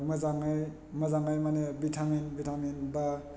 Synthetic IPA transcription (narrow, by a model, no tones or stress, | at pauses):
mazaŋaj | mɐzaŋajmanebitʰaminbitʰaminba